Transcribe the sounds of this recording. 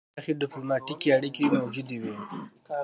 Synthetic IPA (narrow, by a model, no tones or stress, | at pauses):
xiɖɪplʊmɑʈikiaɽikimawd͡ʒud̪iwi